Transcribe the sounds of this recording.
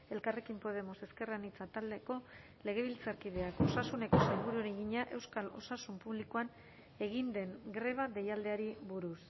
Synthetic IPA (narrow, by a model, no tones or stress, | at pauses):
e̞lkare̞kimpo̞ð̞e̞mo̞se̞ske̞ranit͡sat̪ald̪e̞ko̞ | le̞ɣ̞e̞β̞ilt͡saɾkiðe̞ako̞sasune̞ko̞se̞lɣuɾuɾiɣiɲaʔe̞wskalo̞̰sasumpuβlikoan | e̞ɣind̪e̞ŋɡɾe̞β̞aðe̞jald̪e̞aɾiβuɾus